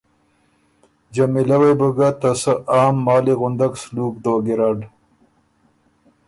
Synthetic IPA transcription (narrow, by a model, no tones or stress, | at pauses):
d͡ʒamilawejbəɡat̪asəʔɑːmːɑːliɣʊnd̪aɡsluːk̚d̪oːɡiɾaɖ